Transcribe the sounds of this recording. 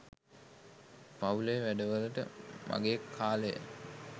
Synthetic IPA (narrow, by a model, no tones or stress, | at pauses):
paulejəʋæɖəʋələʈə̰mʔa̰ɡeːkʰːaːləjə̰